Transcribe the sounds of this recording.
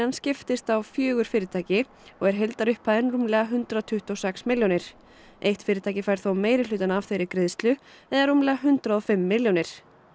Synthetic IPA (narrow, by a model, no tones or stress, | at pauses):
anscɪft̪ɪst̪awfjœːɣʏɾ̥fɪːɾɪt̪ʰaːjcɪ | ɔɣɛɾ̥ɦejlt̪aɾʏhpʰaðɛnrumlɛːɣaɦʏnt̪ɾaðt̪ʰʏht̪ɔsɛksmɪljownɪɾ̥ | ejht̪fɪːɾɪt̪ʰajcɪfajɾ̥θowmeːjɾɪʏːt̪anav̥θejɾɪkɾɪðst̪lʏ | ɛðaɾumlɛːɣaɦʏnt̪ɾaðɔfɪmːɪljonɪɾ̥